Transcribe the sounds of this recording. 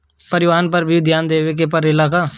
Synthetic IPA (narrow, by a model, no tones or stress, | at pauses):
pɐɾɪʋaːnpɐɾbʱid̪ʱjaːnd̪eːʋek̬epɐɾɪlaːka